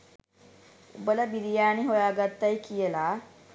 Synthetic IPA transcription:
ubələbiɾijaːniɦojaːɡat̪ːajkijəlaː

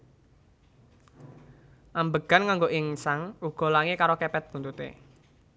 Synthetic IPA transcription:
ʔambəɡ̥a̤nkaŋɡoʔɪŋsaŋuɡ̥ɔ̤laŋekaɾokɛpɛt̪̚ɡ̥unt̪ut̪ḛ

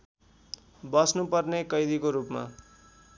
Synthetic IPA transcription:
bʌsnupʌrnekʌjd̪ikoɾupma̰

